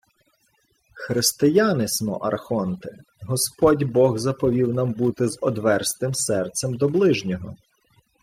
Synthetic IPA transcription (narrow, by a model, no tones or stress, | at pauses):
xɾɪst̪ɪjɑnɪsmɔ̰ʔɐrxɔnt̪ɪ | ɦɔspɔdʲbɔɣzɐpɔʋʲiwnɑmbut̪ɪzɔd̪ʋɛrst̪ɪmsɛrt̪sɛmd̪ɔblˠɪʒnʲɔɦɔ̰